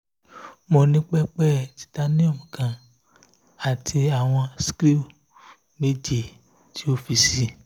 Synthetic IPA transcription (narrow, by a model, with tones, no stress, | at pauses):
mo˧nĩ˦k͡pɛ˦k͡pɛ˦˨ti̥˨˦ta˦nĩ˦ɔ˦˨mĩ˨kã˨ | a˨tʰi˧a˨w̃ɔ̃˧si̥˦kɾi˦˨ | me˦d͡ʒi˦˨ | ti˦o˦fi˧si˦